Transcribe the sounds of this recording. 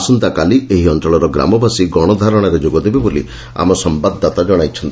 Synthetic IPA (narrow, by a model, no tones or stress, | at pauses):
sɔnt̪akalieɦiɔnt̪ɾɔɭɔɾɔɡɾa̰mɔbʱasiɡɔɽ̃ɔd̪ʱaɾɔɽ̃ɔɾed͡ʒoɡɔd̪ebebolḭ | a̰mɔsɔmbad̪ːat̪ad͡ʒɔɽ̃ajt͡ʃʰɔnt̪